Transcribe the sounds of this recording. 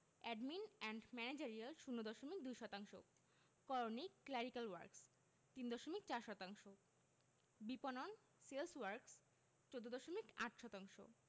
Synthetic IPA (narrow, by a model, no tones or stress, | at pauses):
ɛɖminɛɳɖmɛned͡ʑaɾialʃunːod̪ɔʃomik̚d̪ujʃɔt̪aŋʃo̰ | kɔɾonikːlɛɾikalwa̰ɾks | t̪ind̪ɔʃomikt͡ɕaɾʃɔt̪aŋʃo | biponon | selswaɾks | t͡ɕod̪ʱːod̪ɔʃomikaʈʃɔt̪aŋʃo̰